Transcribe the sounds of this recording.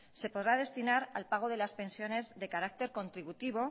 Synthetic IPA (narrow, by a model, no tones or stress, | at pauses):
se̞po̞ðɾað̞e̞st̪inaɾa̰lpaɣ̞o̞ðe̞laspẽ̞nsjo̞ne̞zðe̞kaɾak̚t̪e̞ɾko̞nt̪ɾiβut̪iβ̞o̞